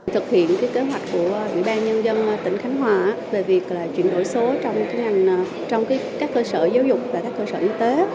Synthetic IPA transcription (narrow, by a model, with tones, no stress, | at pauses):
t̪ʰɨ˨˩k̚hḭ˧˨ənkaː˨˦jke˨˦ɦwa˨˩jt̟̚ku˧˩əʔwḭ˧˨ɓaː˧nɲə˧nzə˧n˨t̪ï˧˩ŋ̟xaː˨˦ŋɦwaː˨˩ʔːve˨˩vi˨˩ək̚laː˨˩t͡ɕwḭ˧˨ənɗo̰˧˩jso˨˦t͡ɕɔ˧wŋ͡mkaː˨˦jŋa˨˩jŋ̟˨˩ | t͡ɕɔ˧wŋ͡mkaː˨˦jkaː˦˥kːəː˧səː˧˩zaː˨˦wzʊ˨˩k͡p̚vaː˨˩kaː˦˥kːəː˧səː˧˩ʔi˧t̪e˨˦